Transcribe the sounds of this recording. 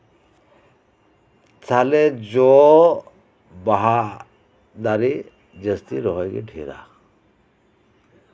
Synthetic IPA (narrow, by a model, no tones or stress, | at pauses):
t͡sʰaled͡ʒɔ | baɦa | d̪aɾi | d͡ʒəst̪iɾɔɦɔjɡḭʈʰiɾa̰